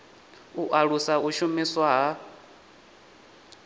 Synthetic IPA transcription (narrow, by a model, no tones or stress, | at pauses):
uʔaɺusauʃumiswaɦa